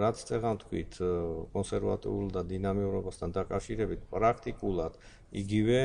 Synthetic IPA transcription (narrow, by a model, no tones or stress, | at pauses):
ɾat̪sʰt̪sʼɛʁamt̪ʰkʰwḭt̪ʰkʼɔnsɛɾva̰t̪ʼḭulˠd̪ad̪inamiuɾɔbast̪ʰand̪akʼafʃiɾɛbit̪̚ʰpʼɾakʰt̪ʼikʼulˠad̪̥ | iɡivɛ